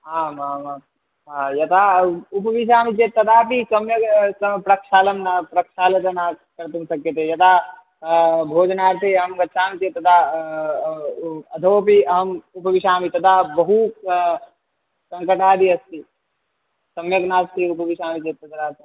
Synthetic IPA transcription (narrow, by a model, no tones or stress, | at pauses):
aːmama | ajɐt̪aupʋiʃ̬aːmit͡ʃet̪ːɐd̪apisɐmjɐɡspɾɐkʂaːlɐmnapɾɐkʃaːlɐt̪ɐnakɐɾt̪umsɐkjɐt̪ejɐt̪a | bʱoːd͡ʒnaːɾt̪ʰeɦəmɡɐʃʰaːmit̪et̪ɐd̪a | ɐd̪ʱoːpiɐɦəmupɐʋiʃaːmit̪ɐd̪abɐɦu | sɐŋkəʈaːd̪iɐst̪i | sɐmjɐɡnaːst̪iupɐʋiʃaːmit͡ʃeːt̪ːɐt̪ɐd̪at̪